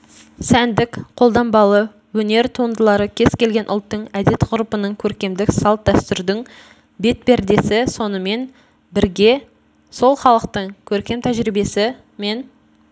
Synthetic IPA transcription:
sænd̪ɪkqʰo̞lˠd̪ɑmbɑlˠə | wɵne̞ɾt̪ʰuənd̪əlˠɑɾəkʲʰe̞z̥kʲe̞lɡʲe̞nʔʊ̰lˠt̪ːəɴæd̪e̞t̪qʊɾupənəɴkʲʰɵɾkʲe̞md̪ɪksɑlˠt̪̚d̪æst̪ʏɾd̪ɪŋ | be̞t̪̚bæɾd̪e̞sɪso̞nəme̞n | bɪɾɡʲe̞ | so̞lˠχɑlˠəqt̪əɴkʲʰɵɾkʲe̞mt̪ʰæʒɾibe̞sɪ | me̞n

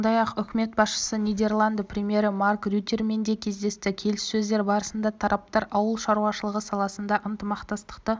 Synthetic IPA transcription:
nd̪ɑjɑqʏkʲɪme̞t̪̚bɑsʃə̥sənʲijd̪e̞rlˠand̪əprʲemʲije̞ɾɪmarkrʲyt̪ʲerme̞nd̪ekʲʰe̞zd̪e̞st̪ɪkʲʰe̞lɪsːɵzd̪e̞ɾbɑɾəsənd̪ɑt̪ʰɑɾʔɑp̚t̪ɑɾʔɑwəlˠʃɑɾuɑʃəlˠəʁəsɑlˠɑsənd̪ɑʔənt̪əmɑqt̪ɑst̪ə̥qt̪ə

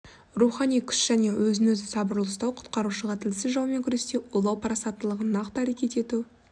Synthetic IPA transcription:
ruχɑnijkʲʰʏ̥ʃʒ̥æne̞wʔɵzɪnɵzɪsɑbəɾlˠəst̪ɑwqʰʊ̥t̪̚qɑɾuʃəʁɑt̪ʰɪlɪsɪzʒɑwˠme̞ŋkʲʰʏɾe̞st̪e̞olˠɑwpʰɾɑsɑt̪ːəlˠəʁənːɑqt̪əæɾe̞kʲe̞t̪e̞t̪u

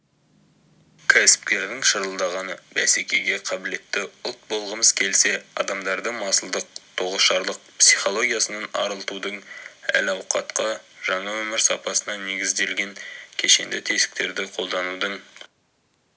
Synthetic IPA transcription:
kʲʰæsɪ̥p̚kʲe̞ɾd̪ɪŋʃəɾəlˠd̪ɑʁɑnəbæsekʲe̞ɡʲe̞qʰɑbɪle̞t̪ːɪʊlˠt̪̚bo̞lˠʁəməz̥kʲʰe̞lse̞ɑ̰d̪ɑmd̪ɑɾd̪əmɑsəlˠd̪əq̚t̪ʰoʁəsʃɑɾlˠəq̚psiχo̞lˠo̞ɡʲijasənɑnɑ̰ɾəlˠt̪ud̪əɴæ̰lɑwqɑ̰t̪qɑʒɑɴɑwɵmɪɾsɑ̰pɑsənɑne̞ɡʲɪzd̪e̞lɡʲe̞ŋkʲʰe̞ʃe̞nd̪ɪt̪ʰe̞sɪ̥k̚t̪e̞ɾd̪ɪqʰo̞lˠd̪ɑnud̪əɴ

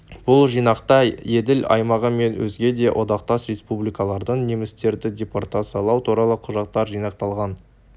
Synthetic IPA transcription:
b̥ʊlˠʒijnɑqt̪ɑjed̪ɪlɑ̰jmɑʁəme̞nwɵ̰zɡʲe̞d̪e̞wʔo̞d̪ɑqt̪ɑsɾe̞spublijkɑlˠɑɾd̪əɴne̞mɪst̪e̞ɾd̪ɪdʲe̞port̪at̪sijalˠɑwt̪uɾɑlˠəqʰʊʒɑq̚t̪ɑɾʒijnɑq̚t̪ɑlˠʁɑn

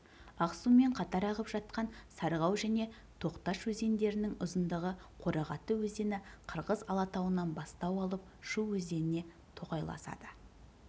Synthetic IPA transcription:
ɑqsume̞ɴqʰɑt̪ɑɾɑʁəpʒɑt̪̚qɑnsɑɾʁɑwʒæne̞ | t̪ʰo̞qt̪ɑʃwɵze̞nd̪e̞ɾɪnɪŋʊzənd̪əʁə | qʰo̞ɾɑʁɑt̪əwɵzd̪e̞nɪqʰəɾʁəzɑlˠɑt̪ɑwənɑnbɑst̪ɑwɑlˠəp̚ | ʃuwwɵzd̪e̞nɪne̞ | t̪ʰo̞qɑjlˠɑ̰sɑ̰d̪ə

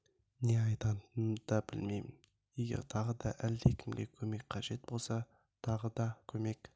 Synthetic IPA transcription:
neɑjt̪ɑnt̪d̪̥ɑbɪlmejmɪn | je̞ɡʲe̞̰ɾt̪ʰɑʁəd̪ɑʔæld̪ekʲɪmɡ̪ʲekʲʰɵme̞kqʰɑʒe̞t̪̚bo̞lˠsɑ | t̪ʰɑʁəd̪ɑkʲʰɵme̞k

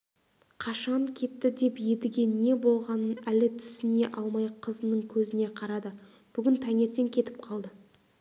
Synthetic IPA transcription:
qʰɑʃɑɴkʲʰe̞t̪ːɪd̪e̞pje̞d̪ɪɡʲe̞ne̞bo̞lˠʁɑnənælɪt̪ʰʏ̥sɪne̞ʔɑlˠmɑjqʰəzənəɴkʲʰɵzɪne̞qʰɑɾɑd̪ə | b̥ʏɡʲɪnt̪ʰæŋe̞ɾt̪e̞ŋkʲʰe̞t̪ɪ̥p̚qʰɑlˠd̪ə

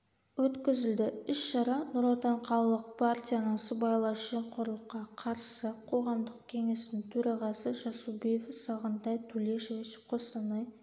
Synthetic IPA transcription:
wɵt̪kʲɪzɪld̪ɪɪʃʃɑɾɑnuɾɑt̪ɑɴqʰɑlˠɑlˠəq̚pʰart̪ʲijanəɴsəbɑjlˠɑʒeɴqʰʊɾlˠəqːɑqʰɑɾsəqʰo̞ʁɑmd̪əq̚kʲʰe̞ŋe̞snɪŋt̪ʰɵɾɑʁɑsəʒɑsubijfsɑʁənt̪ɑjt̪ʰɵle̞ʃɪweʃɪ̥p̚qʰo̞sɑnɑj

